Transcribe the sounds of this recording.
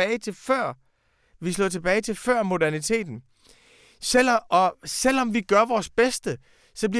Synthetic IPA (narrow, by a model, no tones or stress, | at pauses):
ɛːɪt͡sʰe̝lfɶɐ̰ | ʋislɔ̰ːt͡sʰeb̥ɛːɪt͡sʰe̝lfɶɐ̰mo̝d̥æɐnit͡sʰe̝̰ːd̥n̩ | sel̰ʔɒ̽sel̰ɒ̽mʋiɡ̥ɶɐʋɒːsb̥esd̥ə | sɒ̽b̥li